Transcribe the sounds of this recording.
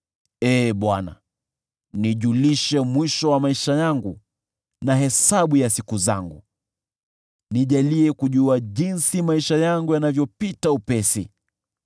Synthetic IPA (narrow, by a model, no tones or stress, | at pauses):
ɛːɓwana̰ | niʄuliʃɛmwiʃɔwamaiʃajaŋɡu | naɦɛsaɓujasikuza̰ŋɡu | niʄaliɛkuʄuaʄinsimaiʃajaŋɡujanavjɔpitaupɛsḭ